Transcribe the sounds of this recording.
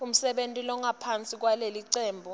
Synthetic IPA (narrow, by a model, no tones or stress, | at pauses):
um̩sɛɓentʼilɔŋʱapʰant͡sʼik̬waleliǀɛːmbʱɔ